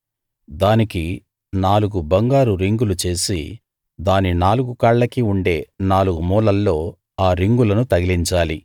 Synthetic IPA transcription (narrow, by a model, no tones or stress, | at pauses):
d̪aːniki | naːluɡubɐŋɡaːɾuɾiŋɡulut͡ʃe̞ːsḭ | d̪aːninaːluɡukɐːɭlɐkiuɳɖe̞ːnaːluɡumuːlɐlːo̞ː | aːɾiŋɡulɐnut̪ɐɡiliɲt͡ʃaːli